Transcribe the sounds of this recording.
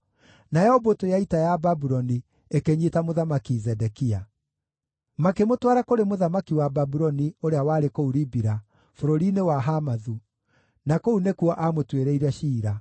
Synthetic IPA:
najɛhɔbotojaitajababuɾɔni | ekeɲetamoðamakizɛdɛkia | makemotwaɾakoɾemoðamakiwababuɾɔnioɾeawaɾekouɾibiɾa | foɾoɾinewaɦamaðu | nakounekuɔʔamotweɾeiɾɛʃiːɾa

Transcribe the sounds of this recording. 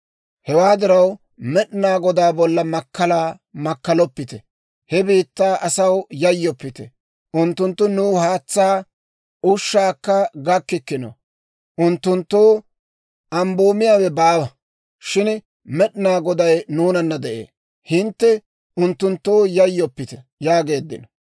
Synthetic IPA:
hɛwaːd̪ɪɾɐw | mɛɗɪnaːɡɔd̪aːbɔlːɐmɐkːɐlaː | mɐkːɐlɔpːɪt̪ɛ | hɛbiːt̪ːaːʔɐsɐwjɐjːɔpːɪt̪ɛ | ʔʊnt̪ːʊnt̪ːʊnuːhaːt͡sːaː | ʊʃːaːkːɐɡɐkːɪkːɪnɔ̰ | ʔʊnt̪ːʊnt̪ːoː | ʔɐmboːmɪjaːwɛbaːwɐ | ʃɪn | mɛɗnaːɡɔd̪ɐjnuːnɐnːɐd̪ɛʔḛː | hɪnt̪ːɛ | ʔʊnt̪ːʊnt̪ːoːjɐjːɔpːɪt̪ɛ | jaːɡe̞ːd̪ːɪ̰nɔ

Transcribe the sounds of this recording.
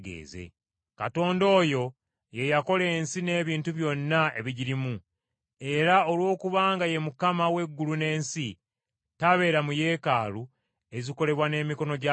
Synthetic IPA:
ɡḛːzḛ | kato̞ːndo̞ːjo̞ | je̞jako̞le̞ːnsine̞ːβiːntuβjo̞nːae̞̰βiɟiɾimu | e̞ɾao̞lwo̞ːkuβaːŋɡaje̞mukamawe̞ɡːulune̞ːnsi | taβe̞ːɾamuje̞ːkaːlu | e̞ziko̞le̞βwane̞ːmiko̞no̞ɟa

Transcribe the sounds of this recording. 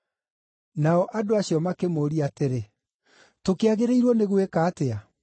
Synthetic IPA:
naɔʔadoaɕjɔmakemoːɾiateɾe | tokeaɣeɾeiɾwɔneɣwekaːtea

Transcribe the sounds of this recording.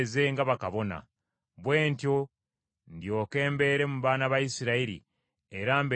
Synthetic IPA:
ze̞ŋɡaβakaβo̞na̰ | βwe̞ːntjo̞ | ndjo̞ːke̞ːmbe̞ːɾe̞muβaːnaβajisiɾaiɾḭ | e̞ɾaːmbe

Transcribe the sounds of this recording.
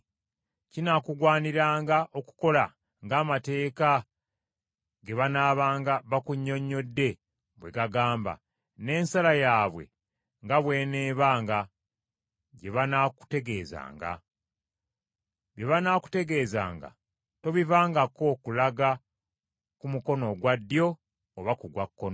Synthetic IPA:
cinakuɡwaːniɾaːŋɡaʔo̞ku̥ko̞la | ŋɡaːmate̞ːka | ɡe̞βanaːβaːŋɡaβakuɲːo̞ɲːo̞dːe̞ | βwe̞ɡaɡaːmba̰ | ne̞ːnsalajaːβwe̞̰ | ŋɡaβwe̞ːneːβaːŋɡa | ɟe̞βanaku̥te̞ɡe̞ːza̰ːŋɡa̰ | βjeβanaku̥te̞ɡe̞ːza̰ːŋɡa̰ | to̞βivaːŋɡako̞kulaɡa | kumuko̞no̞ɡwadːjo̞ | oβakuɡwakːono

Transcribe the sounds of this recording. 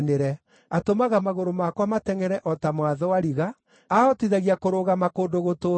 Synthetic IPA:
neɾɛ | atomaɣamaɣoɾomakwamatɛŋɛɾɛʔɔtamwaðɔwaɾiɣa | aɔtiðaɣiakoɾoɣamakodoɣoto

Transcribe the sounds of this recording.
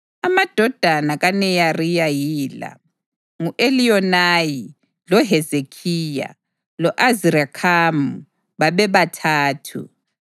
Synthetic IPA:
amad̥ʱɔd̥ʱanaɣanɛjarijajiːla̰ | ŋuʔeliɔnaːji | lɔɦɛzekʰija̰ | lɔʔaziɾakʰamu | βaβɛβatʰaːtʰṵ

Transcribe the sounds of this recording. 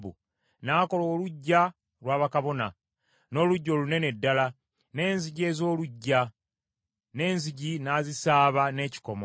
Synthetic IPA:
bṵ | naːko̞loːluɟːa | lwaːβakaβo̞na̰ | no̞ːluɟːolune̞ne̞dːala | ne̞ːnziɟe̞ːzo̞ːluɟːa | ne̞ːnziɟinaːzisaːβane̞ːci̥komo

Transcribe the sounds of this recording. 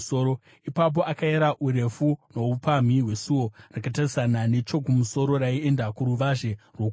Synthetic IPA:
soːɾo | ipap̬o̞ʔakaeɾaʔuɾe̞funo̞upam̤iɦwe̞suwo̞rakatarisanane̞t͡ʃo̞kumuso̞ɾo̞ɾaie̞ndakuɾuʋaʐe̞rwok

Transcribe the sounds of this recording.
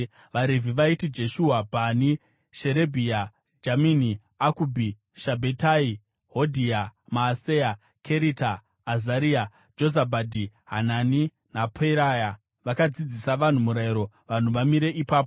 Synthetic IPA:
ʋaɾevʱiʋaitid͡ʒe̞ʃuːɦabʱani | ʃe̞ɾe̞bʱia | d͡ʒamini | akubʱi | ʃabʱetai | ɦodʱiamaːseja | kʰe̞ɾitaː | zaɾia | d͡ʒo̞zabʱadʱiɦanani | napʰeiɾaja | ʋakad͡zid͡zisaʋan̤umuɾaiɾo̞ | ʋan̤uʋamiɾe̞ʔipaːp̬o

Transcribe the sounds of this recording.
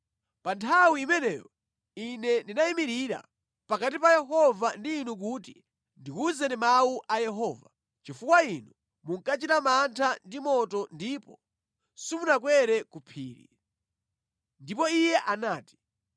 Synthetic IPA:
pantʰawiːmɛnɛjɔ | inɛndinaimiɾiɾa̰ | pakat̬ipajɛɦɔvandiːnuk̬utḭ | ndikuzɛnimauʔajɛɦɔːva̰ | t͡ʃifukwainu | muŋkat͡ʃitamantʰandimɔtɔndipɔ | simunak̬wɛɾɛkupʰiːɾḭ | ndipɔijɛʔanaːti̥

